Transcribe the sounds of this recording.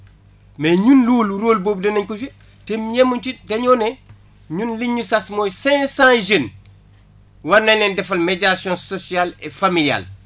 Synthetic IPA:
meɲunluːluɾoːlboːbdɐnɐɲkud͡ʒe | temɲemunt͡ʃidɐɲoːne | ɲunliɲusasmojsɛ̃sãʒen | wanɐnendɛfɐlmeɟasijõnsosialefamilia̰l

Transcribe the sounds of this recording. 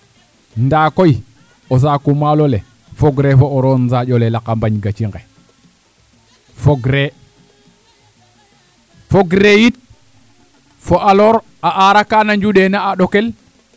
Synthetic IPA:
ndakoj | os̬akumalole | foɡɾefooɾonzad͡ʒolelakambaɲɡat͡ʃiŋe | foɡɾe | foɡɾejit̚ | foʔaloɾ | aʔaɾakanaɲd͡ʒuɗenaaɗokel

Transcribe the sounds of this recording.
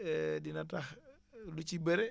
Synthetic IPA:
dinatah | lut͡ʃibɛɾɛ

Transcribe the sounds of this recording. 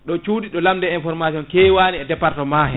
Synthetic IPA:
ɗɔt͡ʃuːdiɗɔlamdɛinfɔɾmasiɔnkɛwaːniɛdɛpaɾtɔmaːhɛ

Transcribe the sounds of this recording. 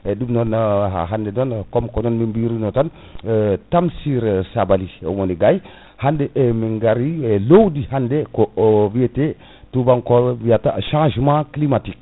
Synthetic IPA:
edumnɔnɦa̰ɦandenonkomkonɔnmimbiɾinɔtan | tamsiɾsabaliḛwoniɡaj | handeʔemiŋɡaɾielowdihandekoviete | tubaŋkoviataʃãʒmãklimatik̚

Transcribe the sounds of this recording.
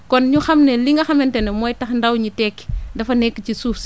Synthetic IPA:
kɔnɲuxɐmnɛliŋɡɐxɐmɛntɛnɛmɔːjtɐxndɐwɲitɛkːi̥ndɐfɐnɛkːəcisuːfs

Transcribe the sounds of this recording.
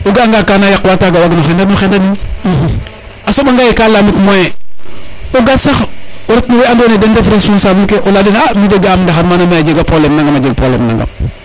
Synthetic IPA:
uɡaŋɡakaːnajakwataɡawaɡnoxendadnoxendanin | asoɓaŋɡajekalamitmoje | oɡasaxuɾat̚noweandonedendefɾespõnsaːbilkeʔoladinamideɡaːmdaxanmanamajad͡ʒeɡapolemnãŋɡamad͡ʒeɡ̚polḛmna̰ŋɡa̰m

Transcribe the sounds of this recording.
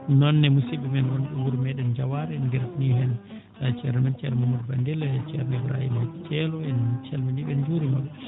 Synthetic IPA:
nɔnːɛmusibɛmɛnwɔnɓɛwuɾmɛɗɛnd͡ʒawaɾɛɛndɛɾfniɦɛn | t͡ʃɛɾɛmɛnt͡ʃɛ̰lɔmamudbandɛlɛt͡ʃɛɾnɛbɾa̰jḭmat͡ʃɛlɔɛnt͡ʃɛlmɛniɓɛnd͡ʒuɾimɔɓɛ

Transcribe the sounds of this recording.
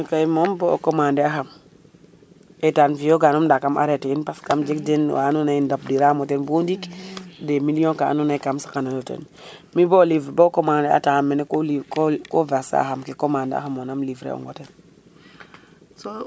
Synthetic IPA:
mikajmombokomandeaxam | etanfijoɡanomdakamʔa̰ɾeteinpaskamd͡ʒekdenwʔa̰nunandap̚diɾamotenbundikdemiliõŋkaa̰nunajkamsḁkanalotḛn | mibolivɾbokomandea̰taamːeneklikkovasa̰a̰xamkekomandḛa̰xamonamlivɾḛo̰ŋɡoten | so

